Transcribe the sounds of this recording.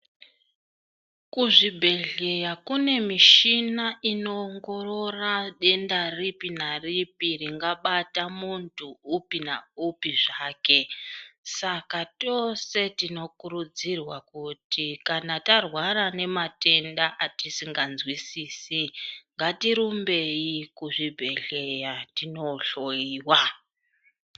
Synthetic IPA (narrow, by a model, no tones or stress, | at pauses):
kuʐibʱe̞ɮe̞jakune̞miʃinaʔino̞ːŋɡo̞ro̞raɗe̞ndaripinaripiriŋɡaɓatamuntʰuːpina̰upiʐaːke̞sakato̞se̞tino̞kuɾud͡zirwakutikanatarwaɾane̞mate̞ndaʔatisiŋɡanzwisiːsiŋɡatiɾumbe̞ikuʐibʱe̞ɬe̞jatino̞ɬoiːwa